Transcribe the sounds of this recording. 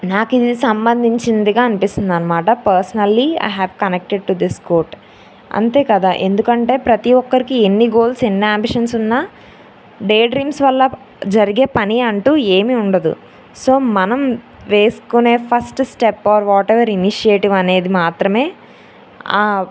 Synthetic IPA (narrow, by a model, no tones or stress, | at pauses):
naːkid̪isɐmbɐnd̪ʱiɲt͡ʃind̪iɡaːɐnipist̪und̪ɐnɐmaːʈɐpɐɾsɐnɐlːiɐ̰jɦɛːʋkɐnek̚ʈeɖ̚ʈud̪iskoːɾʈ | ɐ̰nt̪e̞ːkɐd̪aːʔe̞nd̪ukɐɳʈe̞ːpɾɐt̪iʋɔkːɐɾikie̞nːiɡo̞ːlse̞nːiaːmbiʂɐnsunːaː | ɖe̞ːɖɾiːmsʋɐlːɐ | d͡ʒɐɾiɡe̞ːpɐniɐɳʈuːeːmiuɳɖɐd̪ṵ | so̞ːmɐnɐm | ʋe̞ːsu̥kune̞ːpʰɐsʈsʈepːaːɾʋɔːʈeʋɐɾiniʃieːʈiʋɐne̞ːd̪imaːt̪ɾɐme̞ː | aː